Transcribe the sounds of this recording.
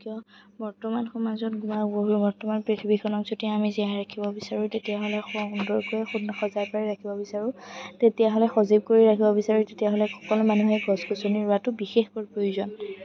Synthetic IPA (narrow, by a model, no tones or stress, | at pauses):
kijɔ | bɔɹtɔmanxɔmazɔtɡumakboɦuɹbɔɹtɔmanpɹitʰibikʰɔnɔkzotiaamiziaɹakʰibɔbisaɹũtetijaɦɔlɛxɔundɔɹkoɛxudɔxɔzajpaɹiɹakʰibɔbisaɹʊ̃tetijaɦɔlɛxɔzib̚koɹiɹakʰibɔbisaɹutetiaɦɔlɛxɔ̥kɔlʊmanuɦɛɡɔzɡɔsɔniɹʊatʊbixexkɔɹpɹojuzɔn